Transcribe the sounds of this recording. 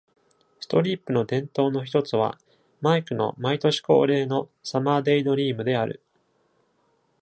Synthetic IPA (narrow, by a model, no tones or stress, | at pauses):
sɨ̥t̪o̞ɾʲiːpːɯ̟no̞d̪ẽ̞nt̪o̞ːno̞çi̥t̪o̞t͡sɨβ̞a̰ | maikɯ̟no̞̰mait̪o̞ɕi̥ko̞̰ːɾe̞ːno̞samaːd̪e̞id̪o̞ɾʲiːmɯ̟d̪e̞aɾɯ̟̰